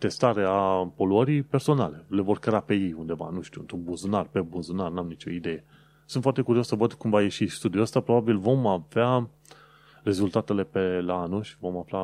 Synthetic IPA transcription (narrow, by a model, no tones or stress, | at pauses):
t̪e̞st̪aɾe̞apo̞luəɾijpe̞rso̞nale̞le̞vo̞rkɾeape̞jejund̪e̞va̰nuʃt̪iṵɨ̰nt̪ɾunbunzunarpe̞bunzunarnamnit͡ʃo̞id̪e̞je̞ | sunt̪foart̪e̞kuɾiosəvəd̪kumvaje̞ʃist̪ud̪iuəst̪apɾo̞babilvo̞mavea | re̞zult̪at̪e̞le̞pelaanulʃi̥vo̞mafla